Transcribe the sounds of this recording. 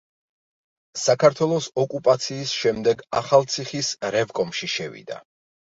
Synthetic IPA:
sakʰaɾt̪ʰwɛlˠɔsɔkʼupʼat̪sʰiːsʃɛmd̪ɛɡaχalˠt̪sʰiχisɾɛvkʼɔmʃiʃɛvḭd̪a̰

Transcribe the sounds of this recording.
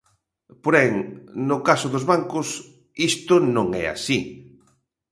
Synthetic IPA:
poɾɛŋnʊkasʊðozβaŋkʊs | ist̪ʊnõŋɛ̰a̰si

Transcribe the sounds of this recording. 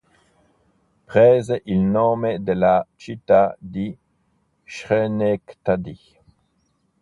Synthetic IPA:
pʁɛːzeʔilnomed̪elat͡ʃit̪ad̪i | ʃʁenekt̪ad̪i

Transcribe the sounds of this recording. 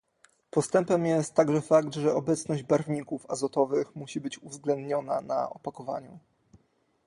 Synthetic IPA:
pɔst̪ɛmpɛmjɛst̪ːaɡʐɛfaɡt̪ʐɛɔbɛt̪snɔʑd͡ʑbaɾvɲikufazɔt̪ɔvɘxmuɕibɘt͡ɕuvzɡlɛnd̪ɲɔna̰na̰ʔɔ̰pakɔva̰ɲu

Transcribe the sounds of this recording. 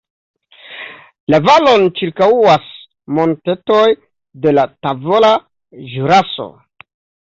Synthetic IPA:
lavalo̞nt͡ʃiɾkauas | mo̞nte̞toj | de̞latavo̞la | ʒuɾaso̞̰

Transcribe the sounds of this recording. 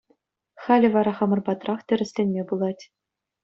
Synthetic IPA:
χɑlʲɘ̆ʋɑɾɑχɑmɤ̆rbɑt̪rɑχtʲɘ̆ɾʲɘ̆sʲlʲenʲmʲebulˠɑtʲ

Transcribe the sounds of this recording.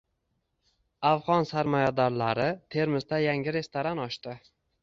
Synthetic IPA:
avʁɒnsaɾmɒjad̪ɒɾlaɾɪt̪ʰe̞ɾmɪzd̪ajaŋɪɾe̞st̪oɾanɒʃt̪ɪ

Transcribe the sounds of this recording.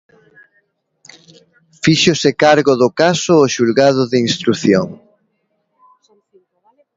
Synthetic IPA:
fiʃosɪkaɾɣoðʊkasʊːʃulɣað̞ʊðɪinst̪ɾuθjo̰ŋ

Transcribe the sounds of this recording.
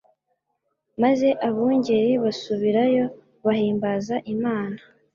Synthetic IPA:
maze̞ʔaβuːɲɟe̞ɾiβasuβiɾajo̞ | βaɦiːmbazaʔimaːna

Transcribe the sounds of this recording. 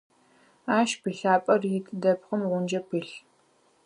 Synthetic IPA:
aːʃbiɬaːpʼɐrjɪtʼdɐpχəmʁʷʊnd͡ʒɐpʰɨɬ

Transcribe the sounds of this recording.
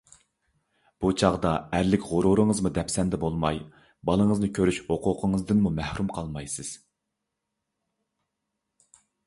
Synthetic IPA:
b̥ut͡ʃʰɑʁd̪ɑæɾlɪkʲʁoɾuɾɨŋəzmud̪ɛpsɛnd̪ɛbolˠmɑj | bɑlˠəŋəznɨkʲʰøɾyʃhoqʰʊqʰəŋəzd̪ɨnmumæhɾumqʰɑlˠmɑjsɨz̥

